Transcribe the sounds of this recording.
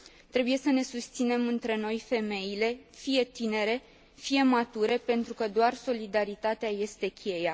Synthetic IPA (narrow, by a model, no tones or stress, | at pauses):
t̪ɾe̞buje̞səne̞sust̪sine̞mɨnt̪ɾe̞no̞jfe̞me̞jile̞fije̞t̪ine̞ɾe̞ | fije̞mat̪uɾe̞pe̞nt̪ɾukəd̪oarso̞lid̪aɾit̪at̪eaje̞st̪e̞kʲʰe̞ja